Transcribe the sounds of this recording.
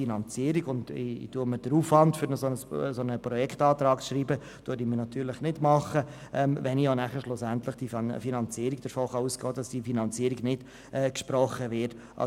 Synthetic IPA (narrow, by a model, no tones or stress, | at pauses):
inɑnt͡siəɾiɡʊndɪ̰d̥uəməd̥əɾuːfʋɑntfʏɾnəsonəssonəpɾɔjɛkʰtɑːtɾɑːkʃɾiːbə | d̥uəɾdimənɑt̪ʰyːɾlɪχnɪdmɑχəʔɛːmvɛnionæχəʃlʊsæntləχd̥ifinɑnt͡siːɾiɡd̥əɾfoːχɑuːsɡɔːd̥ɑsd̥ifinɑnt͡siəɾiɡnɪd̥ | ʔɛkʃpɾɔχːəʋɪt | ɑ̰